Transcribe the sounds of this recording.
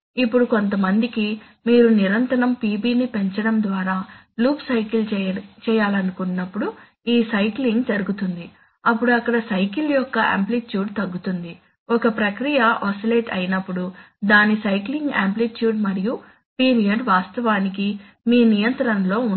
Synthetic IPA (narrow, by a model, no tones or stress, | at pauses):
ipːuɽuko̞nt̪ɐmɐnd̪iki | miːɾuniɾɐnt̪ɐnɐmpiːbiːnipe̞ɲt͡ʃɐɽɐmd̪ʋaːɾaː | luːpsɐjkilt͡ʃɛːjaːlɐnukunːɐpːuɽu | iːsɐjkliŋɡd͡ʒɐɾuɡut̪und̪i | ɐp̬ːuɽuɐkːɐɽɐsɐjkiljɔkːɐʔa̰ːmplit̪juːɖt̪ɐɡːut̪und̪i | ɔkɐpɾɐkɾijɐʔɔsileːʈʰɐ̰jinɐpːuɽu | d̪aːnisɐjkliŋɡaːmplit̪juːɖmɐɾiju | piːɾijɐɖʋaːst̪ɐʋaːniki | miːnijɐnt̪ɐɾɐnlo̞ː